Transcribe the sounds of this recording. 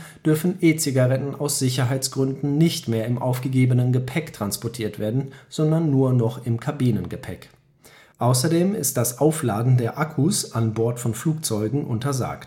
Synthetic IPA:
d̥ʏɐfn̩ʔeːt͡sɪɡaʁɛtn̩aʊsz̥ɪçɐɦaɪt͡sɡ̥ʁʏndn̩nɪçtmeːɐɪmʔa̰ʊfɡ̥əɡeːbənənɡəpʰɛktʁ̥anspɔɐtʰiːɐtv̥eːɐdn̩z̥ɔndɐnːuːɐnɔχɪmkʰabiːnənɡəpʰɛk | ʔaʊsɐdeːmɪst̚d̥asʔaʊflaːdn̩deːɐʔakʰusʔanbɔɐtfɔnfluːk̚t͡sɔʏɡŋ̩ʔʊ̰ntɐza̰ːkt

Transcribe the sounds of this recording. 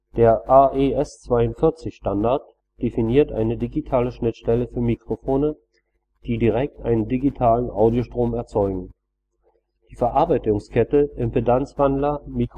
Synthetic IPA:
d̥eːɐʔaʔeʔɛst͡sv̥aɪʊntfɪɐt͡sɪçʃtandaɐt | d̥efiniːɐtʔa̰ɪnədiɡitʰaːləʃnɪtʃtɛləfyːɐmikʁ̥ofoːnə | d̥iːdiʁɛk̚tʔa̰ɪnəndiɡitʰaːlənʔaʊdjoʃtʁ̥oːmɛɐt͡sɔʏɡŋ̩ | d̥iːfɛɐʔaɐbaɪtʊŋskʰɛtəʔɪmpedant͡sv̥andlɐmik

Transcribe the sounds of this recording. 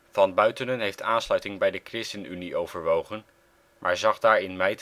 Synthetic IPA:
vɑnbœɥtənənɦejftʰaːnslœɥtɪŋbɛjdəkrɪstənyniʔowvəɹʋowχən | mʔaːɹzɑχdaːɹɪnmɛjt

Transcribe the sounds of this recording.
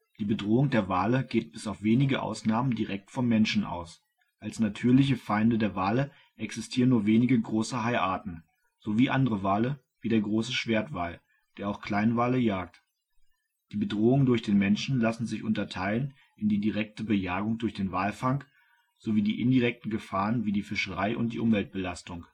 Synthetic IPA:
d̥iːbədʁoːʊŋdeːɐvaːləɡ̥eːt̚b̥ɪsaʊfv̥eːnɪɡəʔa̰ʊsnaːməndiʁɛk̚tfɔmːɛnʃn̩ʔa̰ʊs | ʔalsnatʰyːɐlɪç̬əfaɪndədeːɐvaːlə | ʔɛksɪstʰiːʁənːuːɐveːnɪɡəɡʁoːsəɦaɪʔaːɐtn̩ | z̥oviːʔandəʁəvaːlə | viːdeːɐɡʁoːsəʃv̥eːɐtv̥aːl | d̥eːɐaʊxkʰl̥aɪnvaːləjaːk̚t | d̥iːbədʁoːʊŋəndʊɐçd̥eːnmɛnʃn̩lasn̩zɪçʔʊ̰ntɐtʰaɪlən | ɪndiːdiʁɛk̚təbəjaːɡʊŋdʊɐçd̥eːnvaːlfaŋk | z̥oviːdiːʔɪ̰ndiʁɛk̚tn̩ɡəfaːʁənviːdiːfɪʃəʁaɪʔʊ̰nt̚d̥iːʔʊmvɛlt̚b̥əlastʊŋ

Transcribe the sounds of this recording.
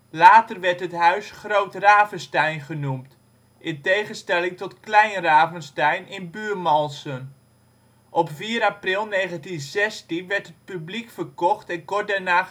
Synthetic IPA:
laːtərʋɛɹtɦətɦœɥsχrowtraːvənstɛjnχənumt | ʔɪntejχənstɛlɪŋtɔtklɛjnraːvənstɛjnɪnbyːrmɔlˠsən | ʔɔpfiːəɾaprɪlˠneːχəntinzɛstinʋɛɹtət̚pyblikfərkɔχtɛnkɔrt̚dɛɹnaː

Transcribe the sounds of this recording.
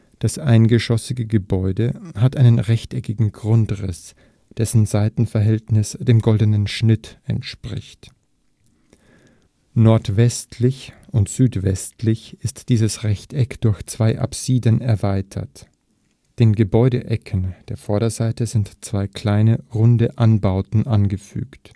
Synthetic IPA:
d̥asʔaɪnɡəʃɔsɪɡəɡəbɔʏdəhatʔaɪnənʁɛçtɛkɪɡŋ̩ɡʁʊntʁɪs | d̥ɛsn̩zaɪtn̩fɛɐɦɛltnɪsd̥eːmɡɔldənənʃnɪtʔɛ̰ntʃpʁ̥ɪçt | nɔɐtv̥ɛstʰlɪçʔʊntz̥yːtv̥ɛstʰlɪçɪstd̥iːzəsʁɛçtɛkd̥ʊɐçt͡sv̥aɪʔa̰pz̥iːdənɛɐvaɪtʰɐ̰t | d̥eːnɡəbɔʏɾəʔɛkʰənd̥eːɐfɔɐɾɐzaɪtəzɪntt͡sv̥aɪkʰl̥aɪnəʁʊndəʔanbaʊtn̩ʔanɡəfy̰ːkt

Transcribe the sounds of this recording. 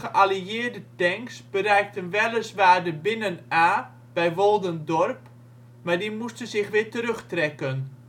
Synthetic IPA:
əʔaliɪːrdətɛŋksbərɛjk̚tənʋɛlˠəsʋaːrdəbɪnənaː | b̥ɛjʋolˠdəndɔrp | maɹdimustənzɪxʋɪːtəɾøxtrɛkən

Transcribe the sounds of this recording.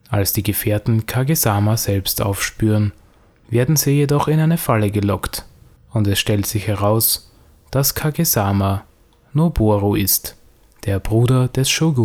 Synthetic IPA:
ʔalsd̥iːɡəfeːɐtn̩kʰaɡezaːmazɛlpstʔa̰ʊfʃpyːʁən | veːɐdn̩ziːjedɔχɪnaɪnəfaləɡəlɔkt | ʊntɛsʃtɛltz̥ɪçhɛʁaʊs | d̥askʰaɡezaːma | noboʁoʔɪst | d̥eːɐb̥ʁuːdɐd̥ɛsʃoɡu

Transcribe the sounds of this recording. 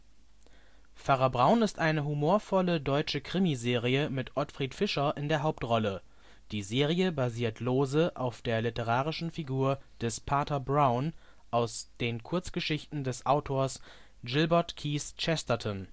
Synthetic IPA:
faʁɐbʁaʊnɪstʔaɪnəɦumoːɐfɔlədɔʏt͡ʃəkʁ̥ɪmizeːʁiəmɪtʔɔtfʁ̥iːtfɪʃɐʔɪndeːɐɦaʊp̚tʁɔlə | d̥iːzeːʁijəbaziːɐtʰloːzəʔaʊfd̥eːɐlɪtəʁ̞aːʁ̞ɪʃn̩fiɡuːɐd̥ɛspʰaɐtɐbʁaʊn | ʔaʊsd̥eːnkʰʊɐt͡sɡ̥əʃɪçtn̩dɛsʔaʊtʰoːɐs | ɡɪlbɐɐtkʰiːst͡ʃɛstɐtʰɔn

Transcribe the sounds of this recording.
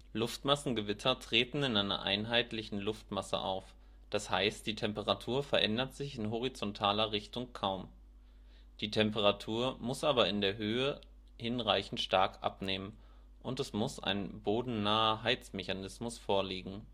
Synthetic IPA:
lʊftmasn̩ɡəvɪtʰɐtʁ̥eːtn̩ɪnʔaɪnɐ̰ʔa̰ɪnɦaɪtlɪçn̩lʊftmasə̰ʔa̰ʊf | d̥ashaɪstd̥iːtʰɛmpəʁ̞atʰuːɐfɛɐʔɛndɐtz̥ɪçɪnɦɔʁ̞it͡sɔntʰaːlɐʁɪçtʊŋkʰaʊm | d̥iːtʰɛmpəʁatʰuːɐmʊsʔaːbɐɪndeːɐɦøːə | hɪnʁaɪçn̩tʃtaɐkʔa̰pneːmən | ʔʊntɛsmʊsa̰ɪnboːdn̩naːɐɦaɪt͡smeçanɪsmʊsfoːɐliːɡŋ̩

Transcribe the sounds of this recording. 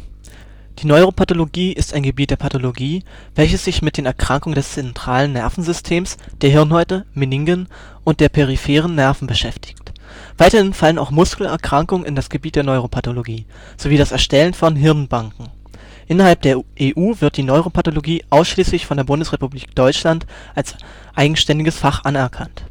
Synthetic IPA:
d̥iːnɔʏʁopʰatoloɡiːʔɪstaɪnɡəbiːt̚d̥eːɐpʰatoloɡiː | vɛlçəsz̥ɪçmɪt̚d̥eːnɛɐkʁ̥aŋkʊŋəndɛst͡sɛntʁ̥aːlənːɛɐfn̩zʏstʰeːmsd̥eːɐɦɪɐnhɔʏtəmɪnɪŋɡən | ʔʊntd̥eːɐpʰeʁ̞ifɛːʁ̞ənːɛɐfn̩bəʃɛftɪ̥çt | v̥aɪtɐhɪnfaləna̰ʊxmʊskl̩ɛ̰ɐkʁ̥aŋkʊŋənɪ̰ndasɡ̥əbiːt̚d̥eːɐnɔʏʁ̞opʰatoloɡiː | z̥oviːdasɛɐʃtɛlənfɔnɦɪʁnbaŋkŋ̩ | ʔɪnɐɦalp̚d̥eːɐʔeːʔuːvɪɐt̚d̥iːnɔʏʁopʰatoloɡiːʔaʊsʃliːslɪçfɔndeːɐbʊndəsʁepubliːk̚d̥ɔʏt͡ʃlant | ʔals | ʔaɪɡŋ̩ʃtɛndɪɡəsfaχʔanɛɐkʰant

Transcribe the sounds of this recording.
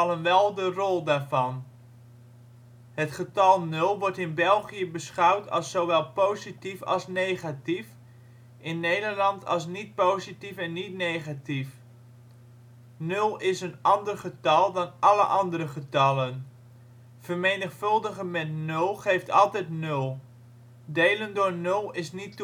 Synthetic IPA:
ɑlənʋɛlˠdərɔlˠdaːɹvɑn | ɦətχətɑlˠnɵlˠʋɔɹtɪnbɛlˠχijəbəsχɑwtʰɑ̰lˠsowʋɛlˠpowzitifɑ̰lˠsnejχatif | ʔɪnːejdəɹlɑntʰɑ̰lˠs̬nit̚powzitifɛnːitnejχatif | nɵlˠɪsənɑndərχətɑlˠdɑnʔɑlə̰ʔɑndəɾəχətɑlən | v̥ərmejnəχfɵlˠdəχəmɛtnɵlˠχejftɑ̰lˠtɛjtnɵlˠ | dejləndʊːɹnɵlˠɪsnit

